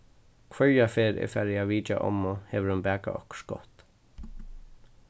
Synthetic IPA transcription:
kʰvœɹjafeːɾɛ̰fɛɾɪaʋiːt͡ʃa̰ʔɔ̰mɔhɛʋəɾhʊnbæːka̰ʔɔ̰hkʃɡ̥ɔ̰ht̪

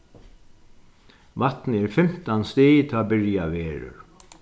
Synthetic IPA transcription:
ʋat̪nəɛɾfɪm̥t̪anst̪eːjt̪ʰaːbɪɹjaʋɛːɾʊ̰ɹ

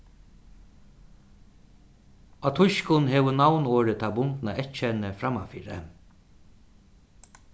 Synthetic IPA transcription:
at̪ʰʊʃkʊnɦeːʋʊnawnoːɾət̪ʰaːbʊnt̪naɛt̪t͡ʃɛnəfɾamafiːɾə̰

